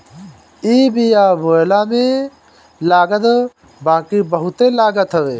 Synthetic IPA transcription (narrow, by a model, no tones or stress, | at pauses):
iːbijaːboːlamẽ | laːɡət̪ | baːkibəɦʊt̪elaːɡət̪ɦɐʋeː